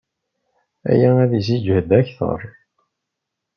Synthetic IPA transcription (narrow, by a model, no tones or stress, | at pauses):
æ̰jææðis̬id͡ʒhəd̪æçθə̰ɾˤ